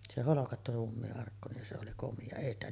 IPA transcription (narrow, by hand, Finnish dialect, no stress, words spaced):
se holokɑtːu ruːmːiːʔːɑrkːu se oli komiɑ eˑi stæ